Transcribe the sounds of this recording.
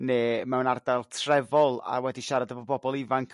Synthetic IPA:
neːmɛwnardalˠtʰrɛvɔlˠa̰rwɛdiʃaɾadəvɔbɔbɔlˠivaŋkʰ

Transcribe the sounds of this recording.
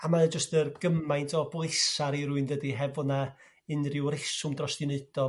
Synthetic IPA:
amad͡ʒəstərɡ̥əmajntʰɔblˠɪsaɾiɾuɨndədiɦɛvɔna | ɨnrɪwɾɪsʊmdrɔstɨnɨd̥ɔ

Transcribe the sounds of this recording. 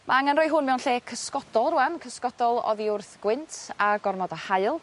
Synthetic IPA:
mʔaaŋanrɔɨɦʊnmɛwnɬeːkʰəskɔdɔlˠruankʰəskɔdɔlˠɔ̰ðiʊrθɡ̥wɪntʰaɡɔrmɔdahaɨlˠ

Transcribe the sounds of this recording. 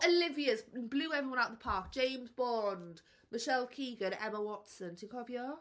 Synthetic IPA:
əlɪviəsblʉːɛvɹiwʌ̃naʊʔðəpʰɑˑk̚d̥ʒ̥ẽɪ̃mzbɒ̃nd̥ | mɪʃɛlˠkʰiːɡə̃nɛməwɒtsə̃ntʰɪ̃ŋkʰɒvjə

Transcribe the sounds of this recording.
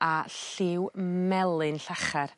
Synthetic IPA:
aɬɪwmɛlˠɨnɬaχar

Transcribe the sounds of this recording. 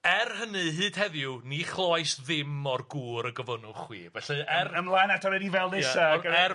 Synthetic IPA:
ɛrhənɨɦɨːd̥hɛðjʊniχlˠɔjsðɪmɔrɡuːɾəɡəvənʊχwḭːvɛɬɛɛrəmlˠajnatʰɔɾɛdivɛlˠðɪjsaɡəɛ

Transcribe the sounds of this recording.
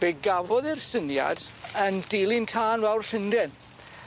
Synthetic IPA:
b̥eɡavɔðɪrsənja̰d̥əndilˠɪntʰaːnvɛwrɬɪndɪn

